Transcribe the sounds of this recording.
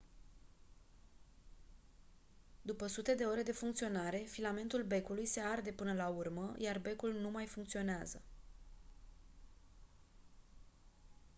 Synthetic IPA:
d̪upəsut̪e̞d̪e̞o̞ɾe̞d̪e̞fuŋkt̪sio̞naɾe̞filame̞nt̪ulbe̞kulujse̞ard̪e̞pɨnəlaurməjarbe̞kulnumajfuŋkt̪sio̞neazə

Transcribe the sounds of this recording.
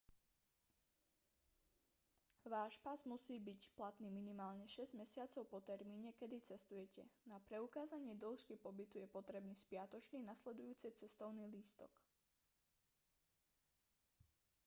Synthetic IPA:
ʋaːʃpazmusiːbicplat̪niːminimaːlɲɛʃɛzɟmɛsɪat͡sɔʊpɔt̪ɛɾmiːɲɛkɛd̪it͡sɛst̪ujɛcɛnapɾɛukaːzaɲɪɛd̪ɔl̩ˠʃkipɔbit̪ujɛpɔt̪ɾɛbniːspɪat̪ɔt͡ʃniːnaslɛd̪ujuːt͡sɛt͡sɛst̪ɔʊniːliːst̪ɔ̰k

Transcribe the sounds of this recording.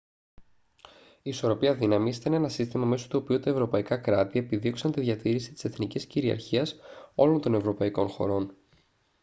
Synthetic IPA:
iːso̞ɾo̞piɐðinɐmisi̥t̪ɐne̞nɐsist̪imɐme̞so̥t̪uopiut̪ɐe̞vɾo̞pɐikɐkɾɐt̪ie̞piðio̞ksɐnt̪iðʝɐt̪iɾisi̥t̪i̥se̞θnicisciɾiɐ̰ɾçiɐso̞lo̞nt̪o̞ne̞vɾo̞pɐiko̞nxo̞̰ɾo̞n

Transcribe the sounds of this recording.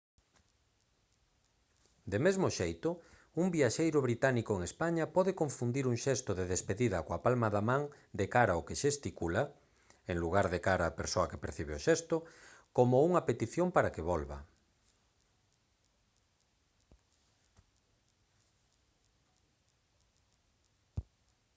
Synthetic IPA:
d̪emezmoʃejt̪ʊ | umbiaʃejɾʊβɾit̪anikoeŋespaɲapɔðekõɱfund̪iɾuŋʃɛst̪oðeðespeðiðɐkoapalmaðamãŋ | d̪ekaɾaokeʃest̪ikula | eŋluɣ̞aɾðekaɾaːpeɾsoɐke̥peɾθiβeoʃɛst̪okomouŋɐpet̪iθjompaɾakeβɔlβa̰

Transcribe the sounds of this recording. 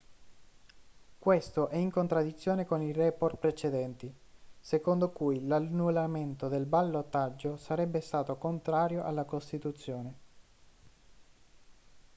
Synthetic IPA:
kwest̪oʔɛiŋkont̪ɾad̪ːit̪sːjoːnekonirɛːport̪pɾet͡ʃed̪ɛnt̪i | sekond̪okujlanːulament̪od̪elbalːot̪ːad͡ʒːosaɾɛbːest̪aːt̪okont̪ɾaːɾjoʔalːakost̪it̪ut̪sːjoːne

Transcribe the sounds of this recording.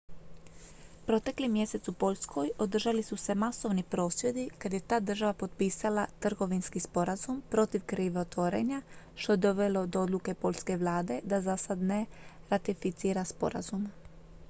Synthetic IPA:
pɾo̞t̪e̞klimje̞se̞t̪supo̞lʎʲsko̞jo̞d̪r̩ʒalisuse̞maso̞ʋnipɾo̞ːsje̞d̪ikad̪je̞t̪aːd̪r̩ʒaʋapo̞t̪̚piːsalˠat̪r̩ɡo̞ʋinskispo̞ɾazumpɾo̞t̪iʋkɾiːʋeot̪ʋo̞ɾe̞̰ɲa | ʃt̪o̞je̞d̪o̞ʋe̞lo̞d̪oo̞d̪luke̞po̞ʎʲske̞ʋlˠaːd̪e̞d̪azasad̪ne̞ | ɾat̪ifit̪siːɾaspo̞̰ɾa̰zum

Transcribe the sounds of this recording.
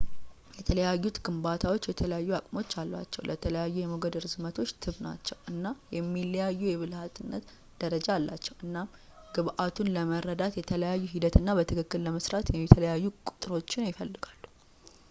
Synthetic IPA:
jɛt̪ʰələjajːut̪ɡɨmbat̪ʰawo̞t͡ʃːjɛt̪ʰələjajːuakʼmo̞t͡ʃːalːa̰t͡ʃːɛwlʔət̪ʰələjajːujɛmoɡəd̪ɨɾɨzmət̪ʰo̞t͡ʃːt̪ʰɨβna̰t͡ʃːɛwʔɨnːajɛmːilːəjajːujɛβɨlhat̪ɨnːət̪ | d̪̥əɾəd͡ʒalːa̰t͡ʃːɛwɨnːam | ɡ̥ɨβʔat̪ʰunləməɾəd̪at̪jɛt̪ʰələjajːuɦid̪ət̪ɨnːabət̪ʰɨkʰɨkːɨlləməsɾat̪jɛmːit̪ʰələjajːukʼu̥t̪ʼɾo̞t͡ʃːɪnjɪfəlːɨɡalːu̥

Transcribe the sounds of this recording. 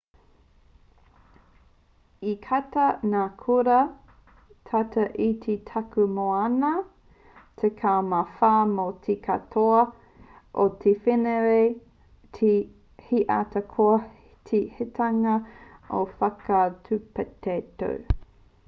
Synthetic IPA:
ikʰatɐnaːkʰuɾɐ | tʰatɐʔitʰitʰɐkumoanɐ | t̪ʰekʰaːmafaːmotʰikʰɐ̰tʰoɐ | ʔotʰefeneɾe | tʰi | hiʔa̰t̪ʰɐkʰoɐ | tʰihetʰɐŋɐofɐkɐtʰʉpɛteto̰w

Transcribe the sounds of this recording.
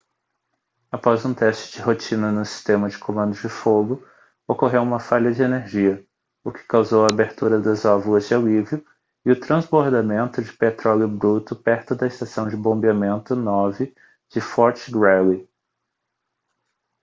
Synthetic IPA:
apɔzũt̪ɛst͡ʃɪ̥d͡ʒɪɦot͡ʃĩnɐnʊsi̥st̪ẽmɐd͡ʒɪkʰomɐ̃nd̪ʊd͡ʒɪfoɡʊ | okoɦewũmɐfaʎɐd͡ʒɪeneɾʒiɐ | ʊkɪ̥kawzowɐːbeɾt̪uɾɐd̪ɐzɔvʊlɐzd͡ʒɪaliviʊ | ɪʊt̪ɾɐ̃zboɾd̪amẽnt̪ʊd͡ʒɪpet̪ɾɔlʊbɾut̪ʊpɛɾt̪ʊd̪ɐɪst̪asɐ̃w̃d͡ʒɪbõbiamẽnt̪ʊnɔvɪ | d͡ʒɪfɔɾt͡ʃɡɾɛli

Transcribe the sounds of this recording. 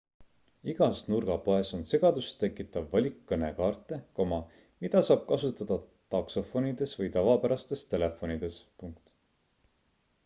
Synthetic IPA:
iɡ̥ɑsnurɡ̥ɑpo̞e̞so̞nse̞ɡ̥ɑd̪̥ust̪e̞kːˑit̪ːˑɑvːɑlʲikːɤne̞kɑːrt̪ːˑe̞ko̞mɑ | mid̪̥ɑsɑːb̥̚kɑsut̪ːˑɑd̪̥ɑt̪ɑkso̞fo̞nid̪̥e̞svɤjt̪ɑvɑpæɾɑst̪e̞st̪e̞le̞fo̞nid̪̥e̞spuŋk̚t̪

